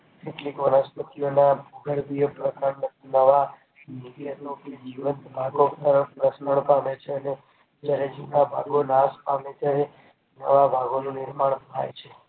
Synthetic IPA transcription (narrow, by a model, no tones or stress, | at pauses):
keʈlikʋənəspət̪ijonabʱuɡəɾbijpɾəkaɾnənəʋa | miɖijənũked͡ʒiʋənt̪bʱaɡokaɾəɳpɾəsnəɳpamet͡ʃʰeəne | d͡ʒjaɾed͡ʒinabʱa̰ɡonaspamet̪ʰae | nə̰ʋabʱaɡonũnɪɾmaɳ̃t̪ʰa̰jt͡ʃʰe